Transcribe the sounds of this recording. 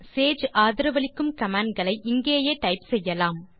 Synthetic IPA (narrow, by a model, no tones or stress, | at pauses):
seːd͡ʒʔaːðɪɾɐʋɐɭɪkːɯmkɐmaːɳɖɡɐɭɐɪʔɪŋɡeːjeːʈɐɪpsɛjːɐlaːm